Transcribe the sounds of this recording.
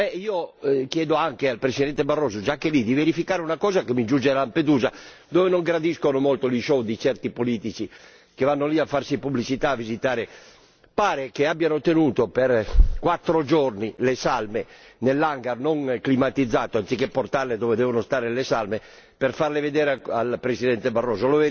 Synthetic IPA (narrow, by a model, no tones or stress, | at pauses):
ɛiːokjɛːd̪oaŋkealpɾesid̪ɛnt̪ebarːɔːzod͡ʒakːelid̪iveɾifikaːɾeunakɔːzakemid͡ʒund͡ʒelamped̪uːza | d̪oːvenoŋɡɾad̪iskonomolt̪oliʃɔd̪it͡ʃɛrt̪ipoliːt̪it͡ʃi | kevanːoliafːarsipublit͡ʃit̪aːvːizit̪aːɾe | paːɾekeabjanot̪enuːt̪operkwat̪ːɾod͡ʒornilesalmenelːaŋɡarnoŋklimat̪id̪zːaːt̪oant̪sikepːort̪arled̪ɔːved̪ɛːvonost̪aːɾelesalme | perfarleved̪ɛːɾaalpɾesid̪ɛnt̪ebarːɔːzolove